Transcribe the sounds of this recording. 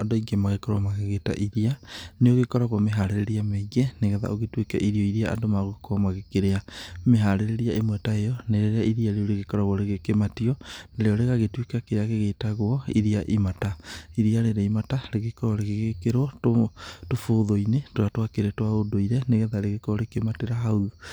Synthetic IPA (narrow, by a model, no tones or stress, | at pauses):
adoiɡɛmaɣekɔɾwamaɣeɣeta̰ʔiɾianeoɣekɔɾaɣwɔmeɦaɾeɾeɾiameiɣɛneɣɛða̰oɣetwekɛʔiɾiɔiɾiaʔa̰domaɣokwamaɣekeɾeameɦaɾeɾeɾiaemwɛtaejɔneɾeɾeaiɾiaɾeoɾeɣekɔɾaɣwɔɾeɣekematiɔneɾeɔɾeɣaɣetwekakeɾeaɣeɣetaɣwɔiɾiaʔimataiɾiaɾeɾeimataɾeɣekɔɾɔɾeɣeɣekeɾwɔtotofoːðoinetoatwakeɾɛtwaodoiɾɛneɣɛðaɾeɣekɔɔɾekemateɾaɦau